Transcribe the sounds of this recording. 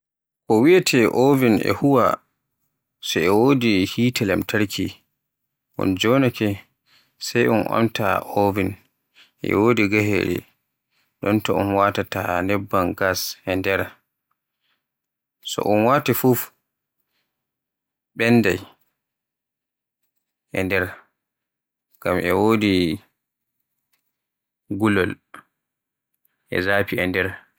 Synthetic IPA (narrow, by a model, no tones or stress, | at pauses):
kɔwiatʰɛʔovinɛ̰huwa | sɔɛwoːdihiːtɛlɛmtʰaɾkʰi | ʔṵnd͡ʒɔnakʰɛ | sajunʔa̰mtʰa̰ovin | ʔɛ̰woːdiɡaɦɛ̰ɗɛ̰ | ɗɔntɔṵnwaːtatanɛbːanɡashɛndɛɾa | sɔ̰ʔunwatifuf | ɓɛnːdaj | ʔɛndɛɾ | ɡ̥amʔɛwoːdi | ɡulɔl | ʔɛ̰zaːpiɛndɛɾ